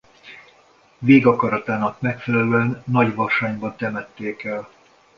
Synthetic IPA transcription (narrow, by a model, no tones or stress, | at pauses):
veːɡɒkɒɾɒt̪aːnɒkmɛkfɛlɛløɛnːɒɟʋɒʃaːɲbɒnt̪ɛmɛt̪ːeːkɛl